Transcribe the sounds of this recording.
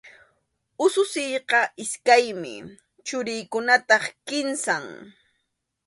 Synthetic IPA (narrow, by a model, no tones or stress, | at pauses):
ʊsʊsɪjqɑʔɪskajmɪ̰ | t͡ʃʊɾɪjkʊnat̪ɑχkɪnsaŋ